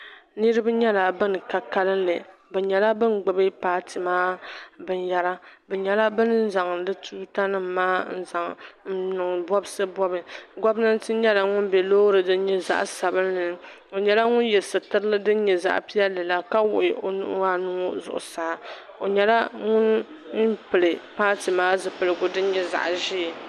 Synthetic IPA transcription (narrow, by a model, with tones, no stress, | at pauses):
nɨ˦ɾɨ˦bɨ˦ɲɛ˦la˨bɨ˦n˨ka˨ka˦lɨ˦nlɨ˨bɨ˨ɲɛ˨la˦bɨ˦nɡ͡bʊ˨bɨ˦paː˨˦tʰɨ˨maː˦bɨ˨n˦ja˦ɾa˦bɨ˨ɲɛ˨la˦bɨ˦n˦n̩˦za˨ŋ˨dɨ˦tʰuː˦ta˦nɨ˦m̩ː˨aː˦n̩˦za˨ŋn̩˦nʊ˨ŋ˨bɔ˦bsɨ˦bɔ˦bɨ˨ɡɔ˦bnɨ˦n˦tɨ˦ɲɛ˦la˨ŋʊ˦nbɛ˨loː˦ɾɨ˨dɨ˦n˦ɲɛ˦za̰˦ʔsa˨bɨ˦nlɨ˨˦ | o˨ɲɛ˦la˦ŋʊ˦njɛ˨sɨ˨tɨ˦ɾɨ˦lɨ˦dɨ˦ɲɛ˨za̰˦ʔpi˦ɛ˦lːɨ˨la˦ka˦wʊ˨ʔɪ˨o˨nʊ̰˦ʔa˦nu˦o˦zʊ̰˨ʔʊ̰˨saː˨˦ | o˨ɲɛ˨la˦ŋʊ˦n | n̩˦pɨ˨lɨ˨paː˦tɨ˨maː˦zɨ˨pɨ˨lɨ˨ɡʊ˨dɨ˦ɲɛ˦za̰˨ʔʒɪ˦˨